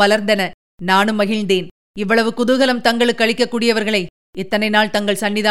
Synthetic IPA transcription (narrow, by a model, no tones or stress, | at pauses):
ɐlɐɾnd̪ɐnɐ | naːnɯmːɐɣɪɻnd̪eːn | ɪʋːɐɭɐʋɯkʊðɯɣɐlɐmt̪ɐŋɡɐɭɯkːɐɭɪkːɐkːuːɽɪjɐʋɐɾɣɐɭɐɪ | ɛt̪ːɐnɐɪnaːɭt̪ɐŋɡɐɭsɐɳːɪða